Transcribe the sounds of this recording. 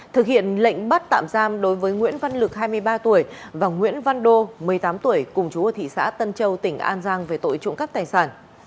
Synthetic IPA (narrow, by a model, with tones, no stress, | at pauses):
t̪ʰɨ˨˩k̚hḭ˧˨ənlə̰˧˨jŋ̟ɓa˦˥t̚t̪a̰ː˧˨mzaː˧mɗo˨˦jvəː˨˦jŋwḭ˧˥ənva˧nlɨ˨˩k̚haː˧jmɨ˧əjɓaː˧t̪u˧˩əjvaː˨˩wŋwḭ˧˥ənva˧nɗo˧mɨ˨˩əjt̪aː˨˦mt̪u˧˩əjkʊ˨˩ŋ͡mt͡ɕu˨˦əː˨˩t̪ʰḭ˧˨sa̰ː˧˥t̪ə˧nt͡ɕə˧wt̪ï˧˩ŋ̟ʔa̰ː˧nzaː˧ŋve˨˩t̪o̰˧˨jt͡ɕʊ̰˧˨ŋka˦˥p̚t̪aː˨˩jsaː˧˩n